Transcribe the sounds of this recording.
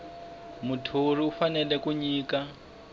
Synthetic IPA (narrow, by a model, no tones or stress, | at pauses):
mutʰuriufanɛlɛkuɲiːka